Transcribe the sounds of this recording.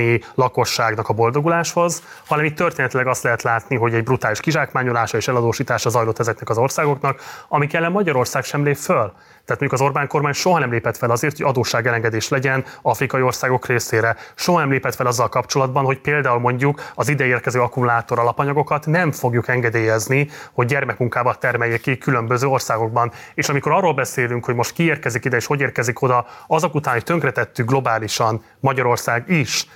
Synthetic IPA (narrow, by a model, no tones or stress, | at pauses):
ilɒko̞ʃːaːɡnɒkɒbo̞ld̪o̞ɡulaːʃho̞z | hɒnɛmiːt̪ːørt̪eːnɛt̪ylɛɡɒst̪lɛɦɛt̪laːt̪niɦo̞ɟɛɟbrut̪aːliʃkiʒaːkmaːɲo̞laːʃɒeːʃɛlɒd̪oːʃiːt̪aːʃɒzɒjlo̞t̪ːɛzɛknɛkɒzo̞rsaːɡo̞knɒkɒmikɛlːɛmmɒɟɒɾo̞rsaːkʃɛmleːpføl | t̪ɛɦat̪moɲɟukɒzo̞rbaːŋko̞rmaːɲʃo̞ɦɒnɛmleːpɛt̪fɛlɒzeːrt̪ʰoɟɒd̪oːʃaːɡɛlɛŋɡɛd̪eːʃlɛɟɛnɒfrikɒjio̞rsaːɡo̞kreːseːɾɛʃo̞ɦɒnɛmleːpɛt̪fɛlɒzːɒlkɒpt͡ʃo̞lɒd̪̚bɒnɦo̞cpeːld̪aːulmo̞ɲɟukɒzid̪ɛeːrkɛzøːɒkumulaːt̪o̞ɾɒlɒpɒɲɒɡo̞kɒt̪nɛɱfo̞ɡjukɛŋɡɛd̪eːjɛzniho̞ɟ̚ːɛrmɛkmuŋkaːbɒt̪ɛrmɛjːɛkikylø̞mbø̞zøːo̞rsaːɡo̞ɡ̚bɒneːʃɒmiko̞ɾɒrːoːlbɛseːlyŋkho̞ɟmo̞ʃt̪kieːrkɛzikid̪ɛeːʃho̞ɟeːrkɛziko̞d̪ɒɒzɒkut̪aːnhoct̪ø̞ŋkrɛt̪ɛt̪ːyɡ̚ɡlo̞baːliʃɒn | mɒɟɒɾo̞rsaːɡiʃ